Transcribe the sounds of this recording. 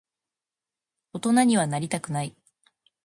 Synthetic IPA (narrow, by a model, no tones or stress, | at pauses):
o̞t̪o̞naɲ̟iβ̞anaɾʲit̪akɯ̟nai